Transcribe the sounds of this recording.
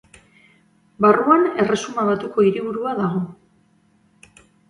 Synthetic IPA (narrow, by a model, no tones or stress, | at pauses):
baruane̞re̞sumaβat̪uko̞iɾiβuɾuaðaɣo̞